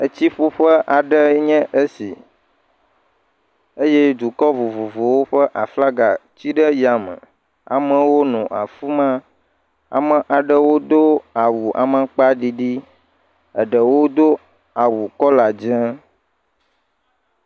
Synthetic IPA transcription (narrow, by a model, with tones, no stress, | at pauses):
ə˨t͡ɕi˦ɸu˦ɸə˦ʔa˨ɖə˦ɲɛ̃˦ʔə˦sḭ˨ | ə˦jɛ˦d̪u˨kɔ˦vo˨vo˨vo˨wo˦ɸə˦ʔa˨fla˦ɡa˨t͡ɕi˦ɖə˦ja˨mə̰̃˨ | a̰˨mə̃˨wo˦nɔ̃˨ʔa̰˨fu˦mã˦ | a̰˨mə̃˨ʔa˨ɖə˦wo˦d̪o˦a˨wu˨ʔa̰˨mə̃˨k͡pa˦ɖi˨ɖi˦ | ə˨ɖə˨wo˦d̪o˦ | a˨wu˨kɔ˦la˨d͡ʒɛ̃˦